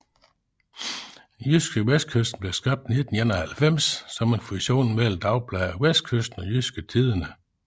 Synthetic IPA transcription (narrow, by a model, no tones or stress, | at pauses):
jysɡ̥əʋes̚kʰøsd̥n̩b̥leʊsɡ̥ʁɑ̈b̥̚d̥ne̝d̥n̩jænɐhælfem̰sːɒ̽me̝nfuɕo̝̰ːnmel̰m̩d̥ɑ̈ʊb̥ʰlæɪæʋes̚kʰøsd̥n̩ɒ̽jysɡ̥ət͡sʰið̞ˠɐnə